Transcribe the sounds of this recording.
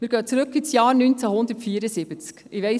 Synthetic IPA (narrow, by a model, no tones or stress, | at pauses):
miːɾɡœːt͡sɾɵkːisjɑːɾnynt͡sæhʊnd̪ətfiːɾəsɪb̥ət͡skɪʋɛɪ